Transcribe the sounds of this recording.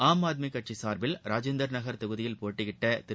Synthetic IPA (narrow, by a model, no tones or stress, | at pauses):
aːmaːd̪̚mikːɐʈ̚t͡ʃisaːɾbɪlɾaːd͡ʒend̪ɐɾnɐɣɐɾt̪ɐɣɯðɪjɪlpoːʈːɪɣɪʈːɐt̪ɪ